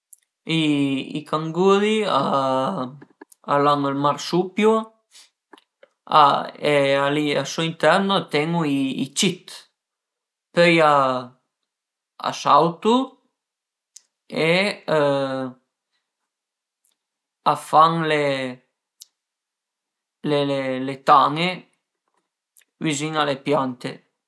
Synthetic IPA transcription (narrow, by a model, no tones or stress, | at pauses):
iḭkaŋɡuðia | alaŋəlmaɾsupju | a̰ealiasoint̪ɛɾnot̪ɛŋuiḭt͡ʃit̪ | pøja | a̰sawt̪u | e | afaŋle | lelelet̪aŋe | viziŋalepjant̪ḛ